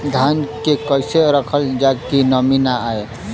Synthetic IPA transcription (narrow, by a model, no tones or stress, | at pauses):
d̪ʱankekəjseɾəkʰəld͡ʒakinəminaːe